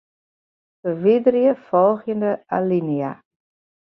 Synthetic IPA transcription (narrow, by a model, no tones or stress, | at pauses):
səʋidrjəfɔlˠxjəndəa̰linia̰